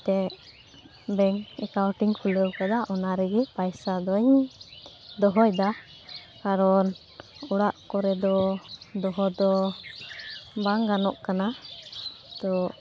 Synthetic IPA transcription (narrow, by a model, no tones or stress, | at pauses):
t̪ɛ | bɛŋɛkawʈiŋpʰuləwkad̪aʔɔnaɾɛɡɛpajsad̪ɔɲ | d̪ɔɦɔjd̪a | kaɾɔn | uɽaʔkɔɾɛd̪ɔd̪ɔɦɔd̪ɔ | baŋɡanɔʔkana | t̪ɔ